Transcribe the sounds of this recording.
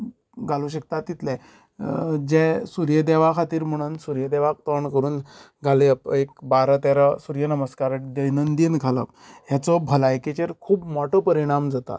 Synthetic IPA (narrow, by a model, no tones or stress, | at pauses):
ɡaluɕ̬ik̚t̪at̪ːit̪lɛ | d͡ʑesuɾjəd̪ɛʋakʰat̪iːɾm̤əɽ̃uːnsuɾjəd̪ɛʋak̚t̪əɳkəɾuːn | ɡʱaleəpekbaɾət̪ɛɾəsuɾjənəməskaɾəʈ̚d̪əjnənd̪inɡʱaləp̚ | jat͡sɔbʱəlajket͡ɕeɾkʰuːbmɔʈʰəpəɾiɽ̃amd͡zat̪a̰